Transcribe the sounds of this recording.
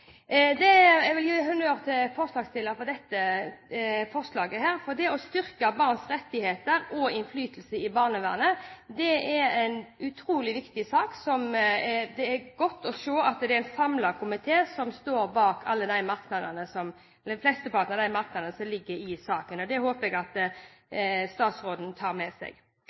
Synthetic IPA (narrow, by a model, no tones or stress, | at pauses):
d̪ɛɛʋɪljiːɦʉnøːʁt̪ʰɪlfɔɾslɑːɡst̪ɪlːəfɔd̪ɛt̪ːə | fɔʁslɑːɡəhæːɾfɔd̪ɛɔst̪ʏɾkɑbɑʁnsɾɛt̪ːɪheːt̪əɾɔɪnflyːt̪lsəɪbɑːʁnəʋæ̰ːʁnəd̪ɛɛɾɛɪnʉt̪ʰɾuːlɪʋɪkt̪ɪsɑːksɔmɛd̪ɛɛɾɡɔt̪ːɔʂoːɑt̪d̪ɛæɪnsɑmlɑkʰʊmɪt̪ʰeːsɔmst̪oːɾbɑːkʰɑlːəd̪æɪmɑɾknɑd̪ənəsɔm | lːəflɛst̪əpʰɑɾt̪nəʁd̪æɪmɑɾknɑd̪ənəsɔmlɪɡːəɾɪsɑːkənɔd̪ɛhoːpəɛɡɑt̪ | st̪ɑːt̪sɾʁoːd̪n̩t̪ʰɑːɾmɛsɛ̰ɡ